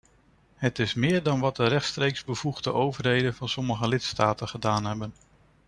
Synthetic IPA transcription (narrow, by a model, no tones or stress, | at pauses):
ɦətɪsmɪːɹdɑnʋɑt̚dəɾɛχtstrejkzbəv̥uχdəʔowvəɹɦejdənvɑnsɔməχəlɪtstaːtəχədaːnɦɛbən